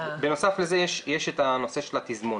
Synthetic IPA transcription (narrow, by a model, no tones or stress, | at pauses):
beno̞saflezejeʃjeʃetano̞se̞ʃelatizmon